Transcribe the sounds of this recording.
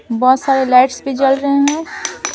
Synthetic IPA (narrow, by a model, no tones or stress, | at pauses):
bɔːt̪saːɾelaɪʈsped͡ʒəlɾəɦeɦɛ̃